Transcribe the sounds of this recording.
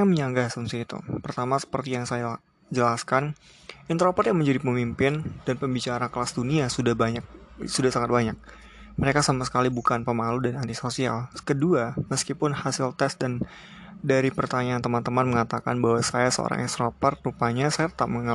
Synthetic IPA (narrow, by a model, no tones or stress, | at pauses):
aməɲaŋɡasunsiit̪ṵpərt̪amasə̥pərt̪ijaŋsaja | d͡ʒəlaskan | int̪ɾopɔrjaŋməɲd͡ʒadipəmimpɪnd̥anpəmbit͡ʃaɾaklasduniasudahbaɲak̚sudahsaŋat̪̚baɲak̚ | məɾekasamasə̥kalibukanpəmaludanant̪isosia̰lkəduaməskipʊnhasɪlt̪ɛsdan | daɾipərt̪aɲaːnt̪əmant̪əmanməŋat̪aka̰nbaɦwasajasəo̰ɾa̰ŋʔɛ̰st̪ɾopɔr̚rupaɲasajat̪ət̪ap̚məŋa